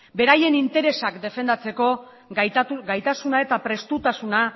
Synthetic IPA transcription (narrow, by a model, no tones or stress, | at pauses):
be̞ɾaje̞nint̪e̞ɾe̞sakd̪e̞fe̞nd̪at͡se̞ko̞ | ɡajt̪asunae̞t̪apɾe̞st̪ut̪asuna